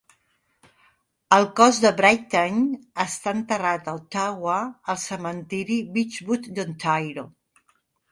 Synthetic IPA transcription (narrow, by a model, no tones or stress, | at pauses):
əlˠkɔzðəβɾajt̪aɲəst̪aənt̪ərat̪əlˠt̪aɣwəəlˠsəmənt̪iɾiβit͡ʃβut̪d̪ənt̪ajɾo